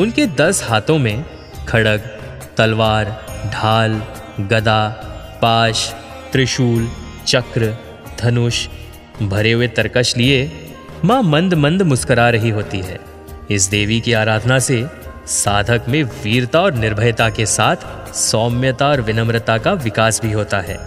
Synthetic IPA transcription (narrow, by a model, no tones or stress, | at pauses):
ʊnked̪ɐshaːt̪õmẽ | kʰɐɽəɡ | t̪ɐlʋaːɾɖʱaːl | ɡɐd̪a | paːʃ | t̪ɾɪʃuːl | t͡ʃɐkɾ | d̪ʱʰɐnʊʃ | bʱɐɾeɦʊet̪ɐɾkəʃlie | mãːmɐ̃nd̪mə̃nd̪ʱmʊskəɾaɾɐɦiɦoːt̪iɦɛː | ɪsd̪eːʋikiaːɾaːd̪ʱənase | saːd̪ʱəkmẽʋiːɾt̪aɔːɾnɪɾbʱəjt̪akesaːt̪ʰ | sɔːmjət̪aɔːɾʋɪnəmɾət̪akaʋɪkaːsbʱiɦoːt̪aɦɛ̰ː